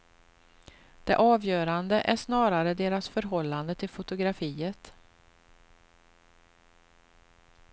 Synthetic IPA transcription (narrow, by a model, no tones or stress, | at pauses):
d̪̥ɛ̰ʔɑːvjœːɾand̪əʔæʂnɑːɾaɾəd̪eːɾasfœɾɦɔlːand̪ət̪ʰɪlfʊt̪ʊɡɾafiːət̪